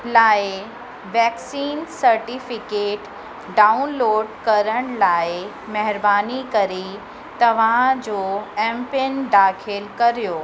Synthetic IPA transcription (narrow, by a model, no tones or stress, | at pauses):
laːɪ | ʋɛːksiːnsɐɾʈifɪkeːʈ | ɖaːʊnloːɖkɐɾəɽ̃laːɪ | mɐɦɪɾbaːnikɐɾi | t̪ɐʋ̤ãd͡ʑoːɛ̃mpenɖaːkʰɪlkɐɾijoː